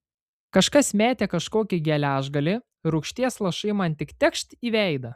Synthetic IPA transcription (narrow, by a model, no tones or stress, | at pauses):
kɐʃkɐsmʲæːt̪ʲeːkɐʃkoːkʲɪɡʲɛlʲæːʒɡɐlʲɪ | ɾʊkʃʲt̪ʲiɛslˠɐʃɐɪmɐnʲt̪ʲɪkt̪ʲɛkʃʲt̪ʲiːʋʲɛˑɪd̪ɐ